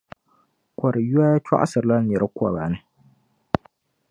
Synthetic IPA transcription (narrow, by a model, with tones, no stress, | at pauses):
kʷa˨ɾja˦ja˦t͡ʃa̰˦ʔa̰˦sɨ˨ɾla˦n˨jɛ˨ɾɨ˦kʷa̰˨ba˨nɨ˦